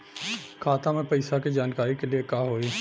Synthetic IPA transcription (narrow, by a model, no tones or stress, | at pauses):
kʰaːt̪amẽpɐɪsakid͡ʒaːnkaːɾikeliekaːɦoːiː